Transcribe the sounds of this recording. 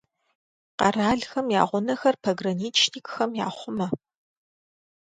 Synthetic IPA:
qɐ̰raːɮxɐmja̰ːʁʷʊnɐxɐrpʰɐɡrɐniːt͡ʃʰniːkʼxɐmja̰ːχʷʊmɐ

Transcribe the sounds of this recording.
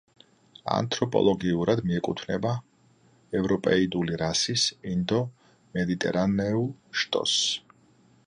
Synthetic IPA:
a̰nt̪ʼɾɔpʼɔ̰lˠɔɡiuɾad̪miɛkʼut̪ʰnɛba | ɛvɾɔpʼɛid̪uliɾasisind̪ɔ | mɛd̪it̪ʼɛ̰ɾanɛuʃt̪ʼɔ̰s

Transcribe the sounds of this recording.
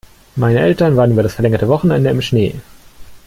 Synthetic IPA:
maɪnəʔɛltɐnvaːʁən̩ʔyːbɐdasfɛɐlɛŋɐtəvɔχn̩ʔɛ̰ndəɪmʃnḛː

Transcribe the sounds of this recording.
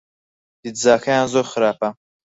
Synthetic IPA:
d̪̥id̪zaːkʰajaːnzoχɨɾaːpa

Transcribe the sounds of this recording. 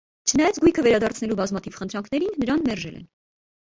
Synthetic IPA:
t͡ʃʰənɑjɑt͡sɡujkʰəvɛɾɑd̪ɑɾt͡sʰnɛlubɑzmɑt̪ʰivχənt̪ʰɾɑŋkʰnɛɾinːəɾɑnmɛrʒɛ̰lɛ̰n

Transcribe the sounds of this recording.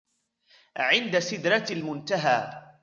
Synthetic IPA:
ʕɪnd̪asɪd̪ɾˤɑlmʊnt̪aɦaː

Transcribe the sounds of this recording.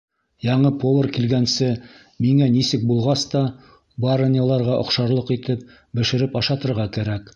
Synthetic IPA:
jɑɴɤpolˠərkilɡænsɘ | miŋænisɘk̚bulˠʁɑst̪ɑ | baɾnʲəlˠɑɾʁɑʔŏ̰qʃɑɾlˠɤqit̪ɘp̚ | bɘ̆ʃɘ̆ɾɘpɑʃɑt̪ɤ̆ɾʁɑkæɾæk

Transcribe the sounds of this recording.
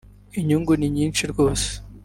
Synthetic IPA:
iɲuŋɡuniɲiːnt͡ʃiɾɡo̞ːse̥

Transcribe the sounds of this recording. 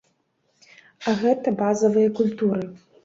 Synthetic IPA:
aɣɛt̪ɐbazɐvɨjɐkulʲt̪uɾɨ

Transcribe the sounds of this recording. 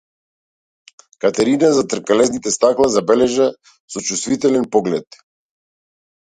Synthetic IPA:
kat̪ɛɾinazat̪r̩kɛlɛznit̪ɛst̪aklˠazabɛlɛʒa | sɔt͡ʃust̪vit̪ɛlɛnpɔɡlɛt̪

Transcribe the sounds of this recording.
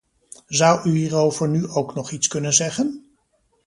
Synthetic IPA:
zʌwʔyɦiːrowvəɹnyʔowknɔχitskɵnənzɛχən

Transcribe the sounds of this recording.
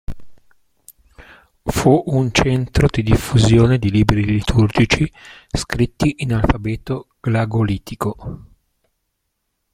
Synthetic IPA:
fuʔunt͡ʃɛnt̪ɾod̪id̪ifːuzjoːned̪iliːbɾilit̪ʰurd͡ʒit͡ʃiskɾit̪ːiʔinalfabɛːt̪oɡ̥laɡoliːt̪ʰiko

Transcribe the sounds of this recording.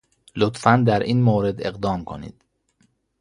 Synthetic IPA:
lot̪fænd̪æɾʔiːnmoːɾe̞d̪eɣd̪ɒːmkʰo̰nḭːd̪̥

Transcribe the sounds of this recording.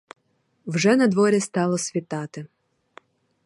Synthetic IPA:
wʒɛnɐd̪ʋɔɾʲist̪ɑlˠɔsʲʋʲit̪ɑt̪ɪ

